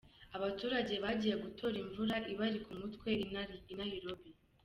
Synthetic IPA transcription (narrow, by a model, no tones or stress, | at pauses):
aβatuːɾaɟe̞βaɟijeɡutʰo̞ɾiɱvuɾaʔiβaɾikumutkwe̞najiɾobi